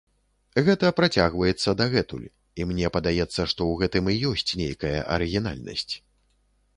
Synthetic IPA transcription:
ɣɛt̪ɐpɾat͡sʲaɣvɐjɛt̪sːɐd̪ɐɣɛt̪ṵlʲ | imnʲɛpɐd̪ajɛt̪sːɐʂt̪ɔwɣɛt̪ɨmijɔsʲt͡sʲnʲejkɐjɐ̰ʔɐ̰ɾɨɣʲina̰lʲnɐ̰sʲt͡sʲ

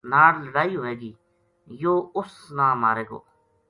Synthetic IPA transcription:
naːɽləɽaːiːɦoːeːɡiː | joːʊsnãːmaːɾeːɡo̰ː

